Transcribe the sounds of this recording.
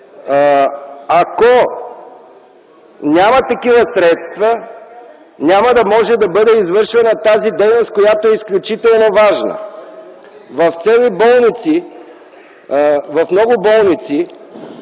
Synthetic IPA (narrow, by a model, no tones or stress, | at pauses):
ako | nʲamɐt̪ɐkivəsɾɛt̪st̪və | nʲaməd̪ɐmɔʒɛd̪ɐbɤd̪ɛizvɤɾʃvɛnɐt̪azid̪ɛjnost̪̚kojat̪oɛisklʲut͡ʃit̪ɛlˠnovaʒnə̰ | vɐft̪sɛlibɔlˠnit̪si | vɐfmnɔɡʊbɔlˠnit̪si